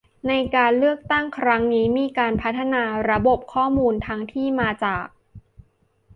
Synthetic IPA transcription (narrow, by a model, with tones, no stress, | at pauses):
na˧jkaː˧nlɯ˥˩ək̚t̪a˥˩ŋkʰɾa˦˥ŋniː˦˥miː˧kaː˧npʰa˦˥t̪ʰːa˧naː˧ɾa˧bo˨˩p̚kʰɔː˥˩muː˧nt̪ʰa˦˥ŋt̪ʰiː˥˩maː˧t͡ɕaː˨˩k̚